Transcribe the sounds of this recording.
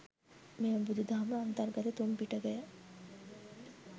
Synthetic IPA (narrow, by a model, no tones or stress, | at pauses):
mejbud̪ʱud̪ʱaɦməɐnt̪əɾɡɐt̪et̪umpiʈəɡɛjə